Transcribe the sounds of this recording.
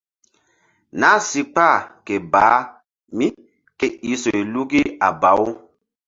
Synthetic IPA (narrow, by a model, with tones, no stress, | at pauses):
na˨˦si˦k͡pa˦˨ke˨baː˨˦ | mi˦ | ke˨i˦so˨i˨lu˦ɡi˦a˨ba˨˦wu˦